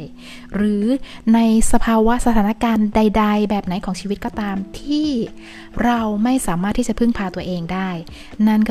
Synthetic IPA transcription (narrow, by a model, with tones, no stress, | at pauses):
j | ɾɯː˩˦ | na˧jsa˧pʰaː˧wa˦˥sa˧t̪ʰaː˩˦na˦˥kaː˧nda˧jda˧jbɛː˨˩p̚na˩˦jkʰɔː˩˦ŋt͡ɕʰiː˧wi˦˥t̪̚kɔː˥˩t̪aː˧mt̪ʰiː˥˩ | ɾa˧wma˥˩jsaː˩˦maː˥˩t̪ʰiː˥˩t͡ɕa˨˩pʰɯ˥˩ŋpʰaː˧t̪u˧ɐʔeː˧ŋdaː˥˩j | na˥˩nk